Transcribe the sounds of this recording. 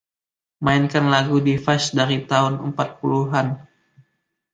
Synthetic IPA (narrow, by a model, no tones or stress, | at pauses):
maɪnkanlaɡudifasdaɾit̪aʊnəmpat̪̚puluɦan